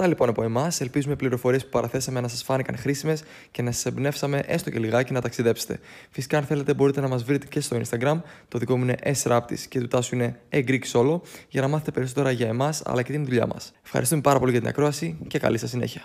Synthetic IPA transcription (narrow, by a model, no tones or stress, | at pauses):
t̪ɐlipo̞nɐpo̞e̞mɐse̞lpizume̞pliɾo̞fo̞ɾiepupɐɾɐθe̞sɐmenɐsɐsfɐnikɐ̰nxɾisime̞s | ce̞nɐsɐ̥sebne̞fsɐme̞ʔe̞st̪oce̞liɣɐcinɐt̪ɐksiðe̞pse̥t̪e | fisi̥kɐːnθe̞le̞t̪e̞bo̞ɾit̪e̞nɐmɐzvɾit̪ece̞st̪o̞inst̪ɐɡɾɐmt̪o̞ðiko̞muine̞ʔesɾɐp̚t̪ḭsce̞t̪ut̪ɐsuine̞eɡɾici̥so̞lo̞ʝɐnɐmɐθe̞t̪e̞pe̞ɾiso̞t̪e̞ɾɐʝɐemɐsɐ̰lɐce̞t̪inðuʎɐ̰mɐ̰se̞fxɐ̰ɾist̪ume̞pɐɾɐpo̞liʝɐt̪inɐ̰kɾo̞ɐsice̞kɐ̰lisɐsine̞̰çiɐ